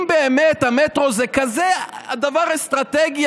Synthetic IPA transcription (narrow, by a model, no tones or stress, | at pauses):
beemɛt̪ɐmɛt̪ɾozɛkazɛɐd̪avaɾest̪ɾat̪ɛɡj